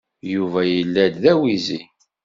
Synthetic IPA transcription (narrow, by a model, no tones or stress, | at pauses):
juvæjəlːæd̪ðæwizi